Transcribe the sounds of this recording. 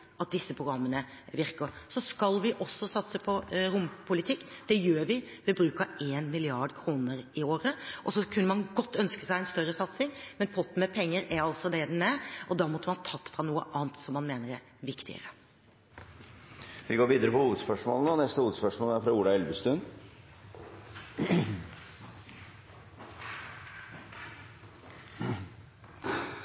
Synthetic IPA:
ʔɑt̪̚d̪ɪsːəpʰɾʊɡɾɑmːənəʋɪɾkəɾsɔskɑlʋɪʔɔsːɔsɑt̪səpʰɔɾʊmpʰʊlɪt̪ʰɪkːd̪̥ɛjøːɾʋɪ | ʋɪbɾʉːkɑeːnmɪlɪɑɖkʰɾuːnəɾɪoːɾəʔɔsɔkʰʉnːəmɑnɡɔt̪ːœnskəsæɪɛnst̪œɾːəsɑt̪sɪŋmɛnpʰɔt̪ːmɛpʰɛŋːəɾæɾɑlsɔd̪ɛd̪ɛnæɾʔɔd̪ɑːmɔt̪ːəmɑnt̪ʰɑt̪ːfɾɑnuːə̰ʔɑːnt̪sɔmːɑnmeːnəɾæ | ʋɪkt̪ɪ̰ə̰ɾə | ʋɪɡoːɾʋiːd̪əɾəpɔhuːʋəd̪spœʂmo̰ːlənəɔnɛst̪əhuːʋəd̪spœʂmoːlæɾfɾɑuːɖ̪ɑɛlʋəst̪ʉn

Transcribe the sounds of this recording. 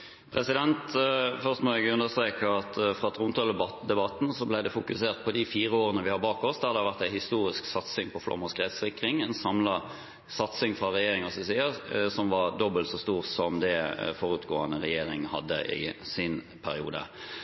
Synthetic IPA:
pʰʁɛsɪd̪ɛnt̪fœʁst̪ɔmɔɛɡʉnd̪əst̪ɾeːkəʁɑt̪fʁɑt̪ʰʁʊnt̪ʰɑld̪ɛbɑt̪ːn̩sɔblæɪd̪ɛfʊkʉseːʁt̪̚pʰɔd̪ɪfiːɾəoːɾənəʋɪhɑɾbɑːkɔsd̪ɛhɑɾd̪ɛhɑɾʋæʁt̪æɪhɪst̪uːɾɪsksɑt̪sɪŋpʰɔflɔ̰mːɑskʁɛt̪sɪkʁɪŋɛnsɑmlɑ | sɑt̪sɪŋfʁɑʁɛjeːɾɪŋɑsɪsiːəsɔmʋɑʁd̪ɔbəlt̪sɔst̪uːʁsɔmd̪ɛfɔɾʉːt̪ɡoːənəʁɛjeːɾɪŋhɑ̰d̪ːə̰ʔɪ̰sɪn | pʰæɾɪṵːd̪ə̰

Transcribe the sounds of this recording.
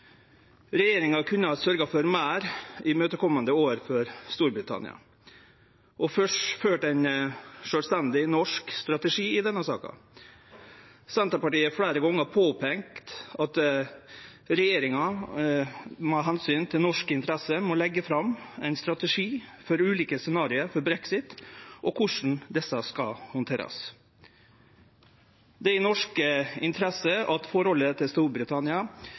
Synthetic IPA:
ɾɛjeːɾɪŋɑkʰʉnːəɑsœɾɡɑfɔɾmæːɾɪmøːt̪əkʰɔmːɑnd̪əoːɾfɔɾst̪uːɾbɾɪt̪ʰɑ̰nɪ̰ɑ̰ | ʔɔfœʂføːʈæɪnʂœːlst̪ɛnd̪ɪnɔʂkst̪ɾɑt̪əʂiːɪd̪ɛnːəsɑ̰ːkɑ̰ | sɛnt̪ɾɑpɑʈiːəfɽæːɾəɡɔŋːəpʰoːpʰɛŋkt̪ɑt̪ | ɾɛjeːɾɪŋɑ | mhɑɦɛnsyːnt̪ʰɪlnɔʂkəɪnt̪ʰɾɛsəmɔlɛɡːəfɾɑmæɪnst̪ɾɑt̪əʂiːfɔɾʉːliːkəsɛnɑːɾɪəɾfɔɾbɾɛksɪt̪ʔɔkʰʊʂn̩d̪ɛsɑskɑ̰hɔnt̪ʰeːɾɑ̰s | d̪ɛɪnɔʂkəɪnt̪ʰɾɛsəɑt̪fɔɾhɔlːət̪ʰɪlst̪uːɾbɾɪt̪ʰɑnɪɑ

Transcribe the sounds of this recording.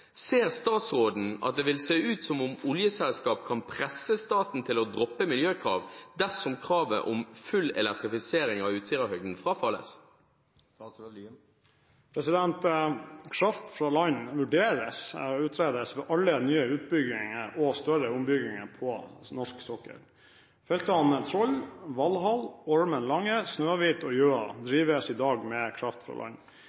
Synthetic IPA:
seːʁst̪ɑːt̪sʁoːd̪n̩ɑ̰t̪̚d̪ɛːʋɪlseːʉːt̪sɔmʊmʊljəsɛlskɑːp̚kʰɑnpʰʁɛsːəst̪ɑːt̪n̩t̪ʰɪlɔd̪ʁɔpːəmɪljøːkʰʁɑ̰ːʋd̪æʁsɔmkʰʁɑːʋə̰ʔɔmfʉlːɛ̰lɛk̚t̪ʁɪfɪseːɾɪŋɑʉːt̪sɪʁəhœɡd̪n̩fɾʁɑːfɑlːə̰s | pʰɾɛsɪd̪ɛnt̪kʰɾɑft̪fɾɑlɑɲʋʉɖeːɾəsʉːt̪ʰɾeːd̪əsʋɛːʔɑlːənyːəʉːt̪̚bʏɡɪŋəɔst̪œɾəʊmbʏɡɪŋəpʰɔnɔʂksɔkːə̰ɾ | fɛlt̪əɑnət̪ʰɾɔlʋɑlɦɑlɔɹmənlɑŋːəsnøːɑʋiːt̪ʰɔjøːɑ̰d̪ɾiːʋəsɪd̪ɑːɡmɛkʰɾɑft̪fɾɑ̰ːlɑ̰ɲ

